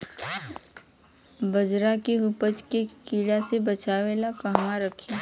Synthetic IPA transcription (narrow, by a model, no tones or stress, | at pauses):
bɐd͡ʒɾakeɦʊpət͡ʃkekiːɽasebɐt͡ʃaːʋelakɐɦmaɾəkʰe